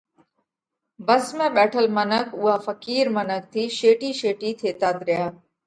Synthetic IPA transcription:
bəsmẽɓɛːʈʰəlmənəkʊɦaːfəkiːɾmənək̚t̪ʰiːʃeːʈiːʃeːʈit̪ʰeːt̪aːt̪ɾɪjaː

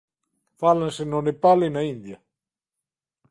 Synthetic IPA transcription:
falːansenːonepalːinaind̪ja

